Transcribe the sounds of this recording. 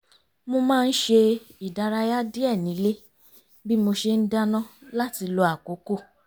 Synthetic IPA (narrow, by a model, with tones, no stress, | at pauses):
mo˧mãː˦˧n̩˦ʃe˧i˨da˨˧ɾa˧ja˦di˦ɛ˦˨nĩ˨˦le˦ | bi˦mo˧ʃe˧n̩˦da˦nã˦la˦ti˧lo˧a˨ko˨˦ko˦˨